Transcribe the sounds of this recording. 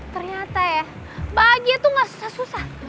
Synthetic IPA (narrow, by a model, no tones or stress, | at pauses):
t̪ərɲat̪aja | baɡiat̪uŋɡaʔsu̥sahsusah